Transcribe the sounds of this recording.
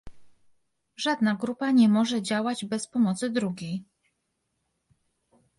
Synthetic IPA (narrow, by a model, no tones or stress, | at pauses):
ʐad̪naɡɾupaɲɛmɔʐɛd͡ʑawad͡ʑbɛspɔmɔt̪sɘd̪ɾuɡʲej